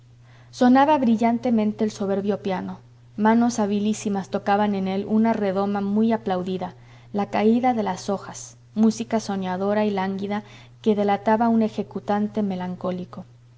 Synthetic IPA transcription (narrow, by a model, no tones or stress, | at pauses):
so̞naβaβɾiʝant̪e̞mẽ̞nt̪e̞ːlso̞β̞e̞ɾβjo̞pjano̞ | mano̞saβilisimast̪o̞kaβane̞ne̞lunare̞ðo̞mamujaplawðiða | lakaiðaðe̞laso̞xas | musikaso̞ɲjaðo̞ɾailaŋɡiða | ke̞ðe̞lat̪aβaune̞xe̞kut̪ant̪e̞me̞laŋko̞liko̞